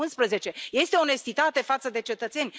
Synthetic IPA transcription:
unspɾəze̞t͡ʃe̞je̞st̪eone̞st̪it̪at̪e̞fat̪səd̪e̞t͡ʃe̞t̪ət̪se̞nʲ

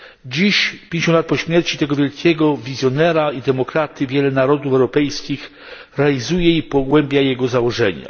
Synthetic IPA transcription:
d͡ʑiɕpʲjeɲet͡ɕɔnd̪lat̪pɔɕmʲjɛɾt͡ɕit̪ɛɡɔvʲjɛlkʲʰɛɡɔvʲizʲjɔnɛɾaid̪ɛmɔkɾat̪ɘvʲjɛlɛnaɾɔd̪ufɛwɾɔpɛjskʲix | ɾɛalʲizujɛipɔɡwɛmbʲjajɛɡɔzawɔʐɛɲa̰

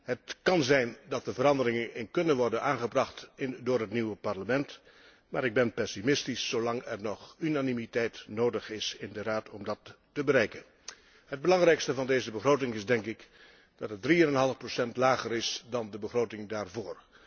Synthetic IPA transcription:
ɦətkɑnzɛjndɑt̚dəvəɾɑndərɪŋənɪnkɵnənʋɔɹdənaːnχəbrɑχtɪdʊːɹɦətniwəpɑɹləmɛnt | maːɾɪɡ̚bɛnpɛsimɪstisːowlɑŋɛrnɔχynaːnimitɛjtnoːdəχɪsɪndəraːtɔmdɑtː | əbəɾɛjkən | ɦəd̚bəlɑŋrɛjkstəvɑndejzəbəχroːtɪŋɪzdɛŋkɪk | d̥ɑtədriənɛnɦɑlˠəfprosɛntlaːχəɾɪsdɑndəbəχrowtɪŋdaːɹvoːr

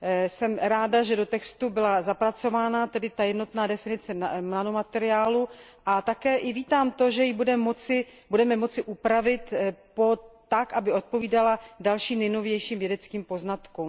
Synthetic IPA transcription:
sɛmɾaːdaʒɛdo̞t̪ɛkst̪ubɪlazapɾat͡so̞vaːnat̪ɛdɪt̪ajɛdno̞t̪naːdɛfɪnɪt͡sɛmnanomat̪ɛɾɪaːluʔat̪akɛːʔɪviːt̪aːmt̪o̞ʒɛjɪbudɛmot͡sɪbudɛmɛmo̞t͡sɪʔupɾavɪt̪po̞t̪akʔabɪo̞t̪̚po̞viːdaladalʃiːmnɛjno̞vjɛjʃiːmvjɛdɛt͡skiːmpo̞znat̪kum

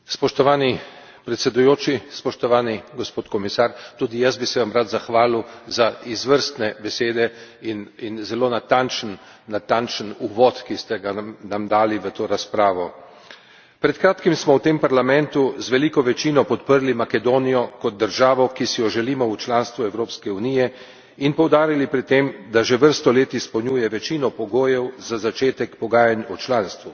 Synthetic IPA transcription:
spɔʃt̪ɔʋaːni | pɾɛt̪sɛd̪ujoːt͡ʃispɔʃt̪ɔʋaːniɡɔspoːt̪kɔmisaːɾt̪ud̪ijasbisɛʋamɾat̪zaxʋaːluzaizʋəɾst̪nɛbɛseːd̪ɛ | ininzɛloːnat̪ant͡ʃənː | at̪ant͡ʃənuʋɔt̪kist̪ɛɡanamd̪aːliʋət̪oːɾaspɾaːʋɔ | pɾɛt̪kɾaːt̪kimsmɔwt̪eːmpaɾlamɛnt̪uzʋɛlikɔʋɛt͡ʃinɔpɔt̪pəɾlimakɛd̪oːnijɔkɔd̪̚d̪əɾʒaːʋɔkisijɔʒɛliːmɔut͡ʃlanst̪ʋuɛwɾoːpskɛuniːjɛ | inpɔwd̪aːɾilipɾɛt̪ːemd̪aʒeʋəɾst̪ɔleːt̪ispəwɲuːjɛʋɛt͡ʃinɔpɔɡoːjɛwzazat͡ʃeːt̪ɛkpɔɡaːjanɔt͡ʃlaːnst̪ʋu

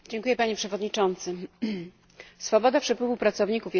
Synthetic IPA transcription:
d͡ʑɛŋkujɛpaɲɛpʂɛvɔd̪ɲit͡ʂɔnt̪sɘ | sfɔbɔd̪apʂɛpwɘvupɾat̪sɔvɲikufj

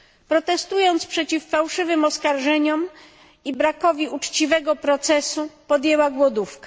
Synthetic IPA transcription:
pɾɔt̪ɛst̪ujɔnt̪spʂɛt͡ɕifːawʂɘvɘmɔskaɾʐɛɲɔm | ibɾakɔvʲiut͡ʂt͡ɕivɛɡɔpɾɔt̪sɛsupɔd̪jɛwaɡwɔd̪ufkḁ

